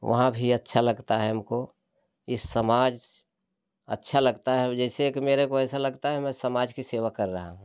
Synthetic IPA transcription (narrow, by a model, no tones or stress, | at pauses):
ʋʔɐ̰ɦãbʱiɐtːʃʰalɐɡt̪aɦɛɐmko | ɪssəmaːd͡ʒ | ɐ̰tːʃʰalɐɡt̪aɦɛd͡ʒɛːsekimeːɾekoɛːsalɐɡt̪aɦɛmɛ̃səmaːd͡ʒkiseːʋakɐɾːɐɦa̰ɦũ